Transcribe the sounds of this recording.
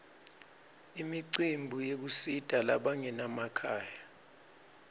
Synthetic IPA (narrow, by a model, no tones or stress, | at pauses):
imiǀimbʱujek̬usid̥ʼʱala̰ɓaŋɛnamakʰaːja